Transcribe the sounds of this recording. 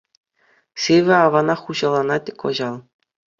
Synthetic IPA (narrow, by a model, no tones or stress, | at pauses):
sʲeʋʲɘ̆ɑʋɑnɑχuʑɑlˠɑnɑt̪ʲeko̰ʑɑlˠ